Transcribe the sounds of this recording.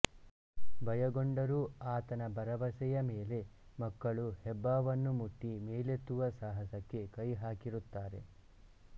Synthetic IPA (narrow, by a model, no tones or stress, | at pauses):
bɐjɐɡoɳɖɐɾuaːt̪ɐnɐbɐɾɐʋɐsɛjɐmeːle̞ | mɐkːɐɭuhɛbːaːʋɐnːumuʈːimeːlet̪ːuʋɐsaːɦɐsɐkːe̞kɐjɦaːkiɾut̪ːaːɾe̞̰